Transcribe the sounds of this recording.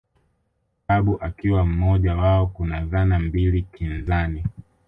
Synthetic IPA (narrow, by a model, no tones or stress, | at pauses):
aɓuʔakiwam̩mɔʄawaɔkunaðanambilikinzani